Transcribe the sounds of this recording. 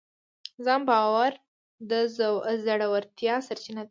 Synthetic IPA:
zɑmbɑwaɾ | d̪əzzaɽawaɾt̪jɑsaɾt͡ʃinad̪a

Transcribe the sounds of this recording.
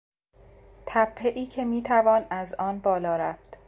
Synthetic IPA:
t̪ʰæpʰːeʔiːcʰe̞miːt̪ʰævɒːnæzɒːnbɒːlɒːɾæft̪

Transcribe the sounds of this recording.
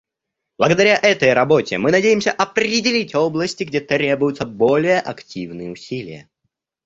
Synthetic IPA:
b̥lˠəɡəd̪ɐɾʲaʔɛt̪əjrɐbo̞tʲɪ̰mɨnɐdʲejɪmsʲəʔɐpɾʲɪdʲɪlʲitʲo̞blˠəsʲtʲɪɡdʲet̪ɾʲe̞bʊjʊt̪səbo̞lʲɪjəʔɐktʲivnɨjəʊsʲilʲɪ̰jə̰

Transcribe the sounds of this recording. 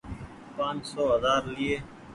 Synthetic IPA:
pãːnsoːɦəzaːɾliːeː

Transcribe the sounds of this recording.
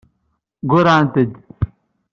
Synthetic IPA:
ɡuɾaːnt̪ed̪

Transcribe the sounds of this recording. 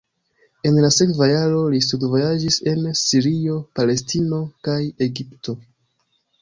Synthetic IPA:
e̞nlase̞kvajaɾo̞listudvo̞jad͡ʒise̞nsiɾio̞pale̞stino̞kaje̞ɡipto̞

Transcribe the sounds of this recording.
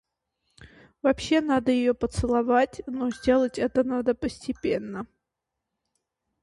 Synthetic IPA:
vɐpɕːe̞nad̪əjɪjopət̪sɨlˠɐvatʲnozʲdʲe̞lˠətʲɛt̪ənad̪əpəsʲtʲɪpʲenːə

